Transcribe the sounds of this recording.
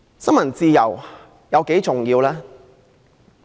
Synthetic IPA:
sɐ˥nmɐ˨˩nt͡siː˧jɐ˨˩w | jɐ˨˧wke˨˥jt͡sʊ˨ŋjiː˧wlaː˥

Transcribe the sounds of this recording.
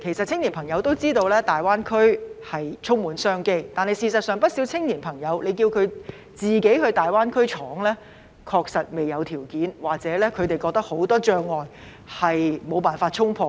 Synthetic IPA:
kʰe˨˩jsɐ˨t̚t͡sʰɪ˥ŋniː˨˩npʰɐ˨˩ŋjɐ˨˧wt̪o˥wt͡siː˥t̪o˧wlɛː˥t̪aː˨jwaː˥nkʰɵ˥ɥhɐ˨jt͡sʰʊ˥ŋmuː˨˥nsœː˥ŋke˥jt̪aː˨nhɐ˨jsiː˨˧sɐ˨t̚sœː˨ŋpɐ˥t̚siː˨˥wt͡sʰɪ˥ŋjiː˨˩npʰɐ˨˩ŋjɐ˨˧wle˨˧jkiː˧wkʰɵ˨˧ | t͡siː˨ke˨˥jɦɵ˧ɥt̪aː˨jwaː˥nkʰɵ˥ɥt͡ʃʰɔː˨˥ŋlɛː˥ | kʰɔː˧k̚sɐ˨t̚me˨˩jɐ˨˧wt̪ʰiː˨˩wkiː˨˥nwaː˨k̚t͡sɛː˨˥lɛː˥kʰɵ˨˧ɥt̪e˨˩jkɔː˧k̚t̪ɐ˥k̚ho˨˥wt̪ɔː˥t͡ʃœː˧ŋːɔː˨˩n | hɐ˨jmo˨˧wpaː˨nfaː˧t̚t͡ʃʰʊ˥ŋpʰɔː˧

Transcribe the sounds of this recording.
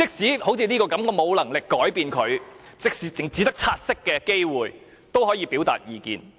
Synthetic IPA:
t͡sɪ˨˥k̚siː˨˥ho˨˥wt͡sʰiː˧liː˥kɔː˧kɐ˨˥mkɔː˧mo˨˧wlɐ˨˩ŋlɪ˨kːɔː˨˥jpiː˧nkʰɵ˨˧ɥt͡sɪ˨k̚siː˨˥t͡sɪ˨˩ŋt͡siː˨˥t̪ɐ˥k̚t͡sʰaː˧t̚sɪ˥kːɛː˧ke˥jwuː˨˩j | t̪o˥wɦɔː˨˥jiː˨˧piː˨˥wt̪a̰ː˨t̚jiː˨˧kḭː˧n

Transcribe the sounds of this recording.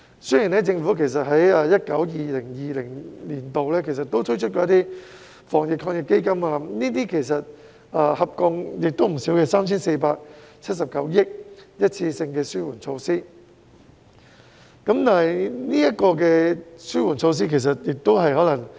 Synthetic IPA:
sɵ˥ji˨˩nɛ˥t͡sɪ˧ŋfu˨˥kʰe˨˩js̬ɐ˨t̚ɦɐ˨˥jɐː˧jɐ˥t̚kɐ˨˥wjiː˨lɪ˨˩ŋjiː˨lɪ˨˩ŋliː˨˩nt̪o˨wlɛː˥kʰe˨˩js̬ɐ˨˩t̪ːo˥wt̪ʰɵ˥jt͡ʃʰɵ˥t̚kɔː˧jɐ˥t̪iː˥ | fɔː˨˩ŋjɪ˨k̚ʰːɔː˧ŋjɪ˨kːe˥jkɐ˥maː˧niː˥t̪iː˥kʰe˨˩js̬ɐ˨t̚ | aː˧hɐ˨p̚kɔ˧ŋjɪ˨k̚t̪o˥wm̩˨˩si˨˥wkɛ˧saː˥mt͡sʰiː˥nse˧jpaː˧k̚t͡sʰɐ˥t̚sɐ˨˩p̚kɐ˨˥wjɪ˥k̚jɐ˥t̚t͡sʰiː˧sɪ˧ŋkɛː˧syː˥wuː˨˩nt͡sʰo˧wsiː˥ | kɐ˨˧˥mt̪aː˨˩ɐ˨˩jniː˥jɐ˥t̚kɔː˧k̬ɛː˧syː˥wuː˨˩nt͡ʃʰo˧ws̬iː˥kʰe˨˩js̬ɐ˨t̚jɪ˨k̚t̪o˥wɦɐ˨jɦɔː˨˥lɐ˨˩ŋ

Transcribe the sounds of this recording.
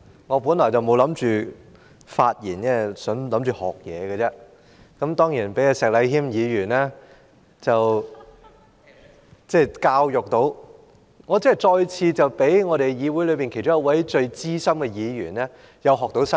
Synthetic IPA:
ŋɔː˨˧puː˨˥nlɔː˨˩jt͡sɐ˨˩wmo˨˧wlɐ˨˥mt͡ʃyː˨ | faː˧t̚jiː˨˩nt͡sɛː˥˩sœː˨˥ŋlɐ˨˥mt͡ʃyː˨hɔ̰ː˨˩k̚jɛ̰ː˨˧ɡɐ˧t͡sɛː˧˥ | kɐ˨˥mt̪ɔː˥ŋjiː˨˩npe˨˥jaː˧sɛː˨k̚lɐ˨˧jhiː˥mjiː˨˧jyː˨˩nɛː˥ | t͡sɐ˨w | t͡sɛː˥˩kaː˧wjʊ˨k̚t̪o˨˧˥w | ŋɔː˨˧t͡si˧˥ɛ˨˩t͡ʃɔː˧jt͡sʰiː˧t͡sɐ˨wpe˨˥jŋɔː˨˧ɾe˨jiː˨˧wuː˨˥jlɵ˨˧ɥpiː˨˩nkʰe˨˩jt͡ʃʈ͡ʂʊ˥ŋjɐ˥wɐ˨˥jt͡ʃɵ˧ɥt͡siː˥sɐ˥mkɛ˧jiː˨˧jyː˨˩nɛː˥ | jɐ˨˧wɦɔː˨k̚t̪o˨˥wsɐ˥

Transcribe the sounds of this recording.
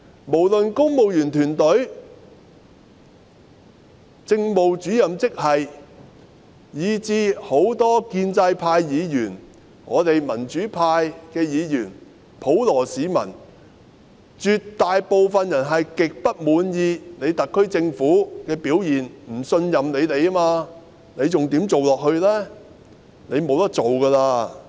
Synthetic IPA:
mo˨˩wlɵ˨nkʊ˥ŋmo˨wjyː˨˩nt̪ʰyː˨˩nt̪ɵ˨˥ɥ | t͡sɪ˧ŋmo˨wt͡ʃyː˨˥jɐ˨mt͡sɪ˥k̚hɐ˨j | jiː˨˧t͡siː˧ho˨˥wt̪ɔː˥kiː˧nt͡sɐ˧jpʰaː˧jːiː˨˧jyː˨˩n | ŋɔ̰ː˨˧t̪e˨jmɐ˨˩nt͡ʃyː˨˥pʰaː˧jkɛː˧jiː˨˧jyː˨˩n | pʰo˨˥wlɔː˨˩siː˨˥mɐ̰˨˩n | t͡ʃyː˨tt̪ːaː˨jpo˨wfɐ˨njɐ˨˩nɦɐ˨jkɪ˨k̚pɐ˥t̚muː˨˧njiː˨˧ne˨˧jt̪ɐ˨kʰːɵ˥ɥt͡sɪ˧ŋfuː˨˥kɛː˧piː˨˥wjiː˨nm̩˨˩sɵ˧njɐ˨mne˨˧jle˨˧ja˥maː˧ | ne˨˧jt͡sʊ˨ŋt̪iː˨˥mt͡so˨wlɔː˨k̚hɵ˧ɥlɛː˥ | ne˨˧jmo˨˧wt̪ɐ˥k̚t͡so˨wkɐː˧laː˧

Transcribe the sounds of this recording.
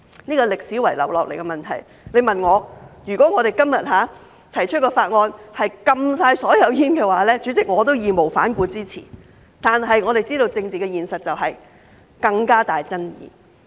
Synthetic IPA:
niː˥kɔː˧lɪ˨k̚si˨˥wɐ˨˩jlɐ̰˨˩wlɔː˨k̚le˨˩jkɛ˧mɐ˨nt̪ʰɐ̰˨˩j | le˨˧jmɐ˨nŋɔː˨˧jyː˨˩kɔː˨˥ŋɔː˨˧ɾe˨jkɐ˥mjɐ˨t̚ɦaː˨˧˥ | t̪ʰɐ˨˩jt͡ʃʰt̚kɔː˧faː˧t̚ŋɔː˧nhɐ˨jkɐ˧msaː˧jsɔː˨˥jɐ˨˧wjiː˥nkɛː˧waː˨˥lɛː˥t͡sy˨˥t͡sɪ˨k̚ŋɔː˨˧t̪o˥wjiː˨˧mo˨˩wfa̰ː˨˥nkuː˧t͡siː˥t͡sʰḭː˨˩ | t̪aː˨nɦɐ˨jŋɔː˨˧ɾe˨˩jt͡siː˥ɾo˧wt͡sɪ˧ŋt͡siː˨kɛ˧jiː˨nsɐ˨t̚t͡sɐ˨wɦɐ˨j | kɐ˧ŋkaː˥t̪aː˨jt͡sɐ˥njḭː˨˧

